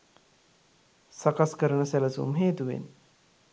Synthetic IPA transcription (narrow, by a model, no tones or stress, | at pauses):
sakaskəɾəɳəsæləsṵmɦeːt̪uʋḛn